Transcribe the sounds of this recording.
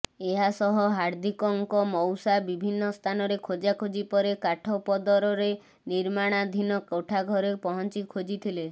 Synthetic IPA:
eɦasɔɦɔɦaɾd̪ʱikɔŋkɔmɔwsabibʱinːɔst̪ʰanɔɾekʰod͡ʒakʰod͡ʒipɔɾekaʈʰɔpɔd̪ɔɾɔɾe | niɾmaɽ̃ad̪ʱinɔkoʈʰaɡʱɔɾepɔɦɔnt͡ʃikʰod͡ʒit̪ʰile

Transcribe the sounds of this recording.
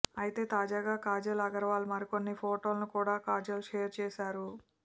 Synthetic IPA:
ɐjit̪e̞ːt̪aːd͡ʒaːɡaːkaːd͡ʒɐlɐɡɐɾɐʋaːlumɐɾiko̞nːipʰoːʈo̞ːlɐnukuːɽaːkaːd͡ʒɐluʃeːɾt͡ʃɛːʃaːɾu

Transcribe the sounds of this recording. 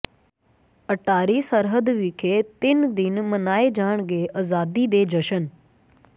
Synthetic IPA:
əʈʰːaːɾiːsəɾɦəd̪ʋɪkʰeːt̪ɪnd̪ɪnmənaːed͡ʒaːəɳ̃ɡeːʔaːzaːd̪id̪eːd͡ʒəʃən

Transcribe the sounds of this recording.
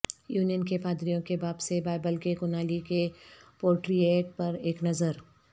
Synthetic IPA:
juːnijənkepaːd̪ɾijõkebaːbsebaːɪbəlkekʊnaːlikepoːɾʈɾieːʈ̚pɐɾeːknɐzəɾ

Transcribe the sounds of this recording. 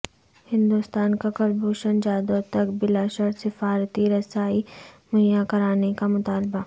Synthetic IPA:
hɪ̃nd̪ust̪aːnkakɐlbʱoːʃənd͡ʒaːd̪ot̪ɐkbɪlaʃəɾsɪfaːɾt̪iɾɐsaːimɐjakɐɾaːnekamʊt̪aːlba

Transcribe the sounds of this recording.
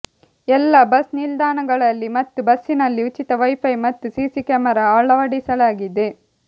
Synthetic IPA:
ɛlːɐbɐsnild̪aːnɐɡɐɭɐlːimɐt̪ːubɐsːinɐlːiut͡ʃit̪ɐʋɐjpʰɐjmɐt̪ːusiːsikɛːmɐɾaaːɭɐʋɐɽisɐlaːɡid̪e̞

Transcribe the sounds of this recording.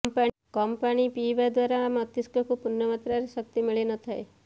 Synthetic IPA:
mpa | kɔmpanipiʋad̪waɾaːmət̪iskɔkupunːəmat̪ɾaɾeʃək̚t̪imiɭenɔt̪ʰae

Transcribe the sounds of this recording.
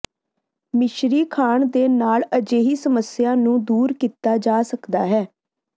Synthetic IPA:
mɪʃɾiːkʰaːɳd̪eːnaːləd͡ʒeːɦiːsəməsɪjaːnũːd̪uːɾkiːt̪aːd͡ʒaːsəkd̪a̰ːɦɛː

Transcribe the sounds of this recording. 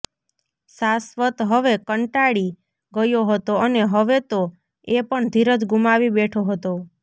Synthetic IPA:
sasʋət̪ɦəʋekəɳʈaɽi | ɡəjoɦət̪oəneɦəʋet̪o | epəɳd̪ʱiɾəd͡ʒɡumaʋibeʈʰoɦət̪o

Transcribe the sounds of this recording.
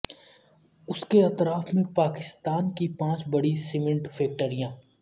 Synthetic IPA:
ʊskeɐt̪ɾaːfmẽpaːkɪst̪aːnkipãːt͡ʃbɐɽisɪmẽɳʈfʰeːk̚ʈəɾijãː

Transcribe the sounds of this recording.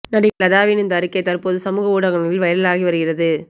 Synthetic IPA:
nɐɽɪlɐðaːʋɪnɪnd̪ɐɾɯkːɐɪt̪ɐrpoːðɯsɐmuːɣɐuːɽɐɣɐnɐɪlʋɐjɐlɪlaːɣiʋɐɾɯɣɪrɐðɯ

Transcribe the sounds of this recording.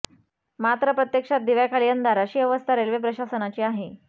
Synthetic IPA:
mat̪ɾəpɾət̪jəkʂat̪̚d̪iʋjakʰaɭijənd̪aɾaɕiːəʋəst̪ʰaɾelʋep̬ɾəɕasənat͡ɕiːaɦe

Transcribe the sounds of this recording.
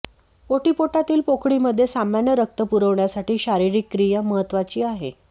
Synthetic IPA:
oʈipoʈat̪iːlpokɽiːməd̪ʱːjesamaɳjəɾək̚t̪əpuɾəʋɳjasaʈiːɕaɾiɾiːkːɾijəməɦət̪ːʋat͡ɕiːaɦḛ

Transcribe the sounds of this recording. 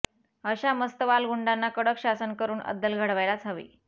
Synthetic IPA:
əɕaməst̪əʋalɡuɳɖanːakəɽəkɕasənkəɾuːnə̰d̪ːəlɡʱəɽʋajlat͡sʰaʋḭː

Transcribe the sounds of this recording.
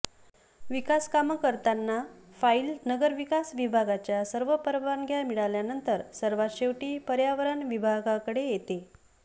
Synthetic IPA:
ʋikaskaməkəɾt̪anːafailnəɡəɾʋikasʋibʱaɡat͡ɕjasəɾʋəpəɾʋanɡʱjamiɭaljanənt̪əɾsəɾʋaɕeʋʈiːpəɾjaʋəɾanʋibʱaɡakəɽejet̪e

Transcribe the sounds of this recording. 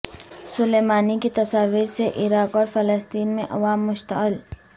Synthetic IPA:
sʊleːmaːniket̪ɐsaːʋiːɾseʔɪɾaːkɔːɾfɐləst̪iːnmẽʔɐ̰ʋaːmːʊʃt̪əɪl

